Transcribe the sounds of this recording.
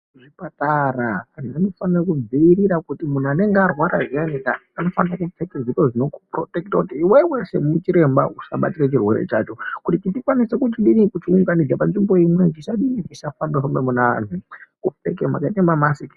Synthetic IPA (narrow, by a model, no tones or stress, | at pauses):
ʐipataraanananofanorokud͡ziːɾiɾakutimun̤uane̞ŋɡearwaɾaʐianikaano̞fanrakut͡sekezikoʐino̞kuprotektakutiːwewese̞̰mut͡ʃiɾe̞mba̰usaɓatirat͡ʃirwe̞̰ɾḛt͡ʃa̰t͡ʃo̞kutit͡ʃitikwanisekut̬iɗinikut͡ʃiuŋɡanid͡zapanʐimbo̞imwe̞kiʃaɗinikiʃafandaombemunaʋa̰n̤ukuftekema̰kaitemamasiki̥